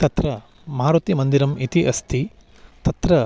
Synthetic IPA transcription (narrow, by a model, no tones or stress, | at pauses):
t̪ɐt̪ɾɐ | mɐaːɾut̪imɐnd̪iɾɐmit̪iʔɐst̪ʰi | t̪ɐt̪ɾɐ